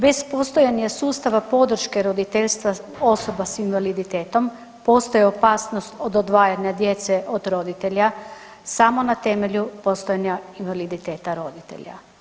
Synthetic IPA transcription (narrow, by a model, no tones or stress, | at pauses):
be̞spost̪o̞jaɲasuːst̪aʋapo̞d̪r̩ʃke̞ɾo̞d̪it̪eʎʲst̪ʋao̞so̞basinʋalid̪it̪eːt̪o̞m | po̞st̪ojeopaːsno̞st̪od̪od̪ʋaːjaɲad̪je̞t̪seʔod̪ɾo̞d̪it̪e̞ʎa | samo̞nat̪e̞meʎupo̞st̪ojaɲainʋalid̪it̪e̞ːt̪aɾo̞d̪it̪ḛʎa̰